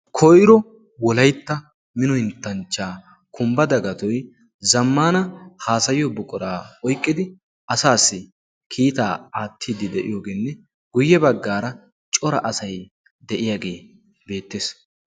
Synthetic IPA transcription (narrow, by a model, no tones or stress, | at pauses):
kʰɔjɾɔ | wɔlɐjt̪ːɐ | mɪnɔhɪnt̪ːɐnt͡ʃːaː | kʰʊmbɐd̪ɐɡɐt̪ɔj | zɐmːaːnɐhaːsɐjjɔbʊkʼʊɾaːɔjkʼːɪd̪ɪ | ʔɐsaːsːɪ | kʰiːt̪aːaːt̪ʰːiːd̪ɪd̪ɛʔɪ̰jo̞ːɡeːnːɛ | ɡ̥ʊjːɛbɐɡːaːɾɐ | t͡ʃʼɔɾɐ̰ʔɐsɐj | d̪ɛʔɪjaːɡe̞ː | be̞ːt̪ːeːs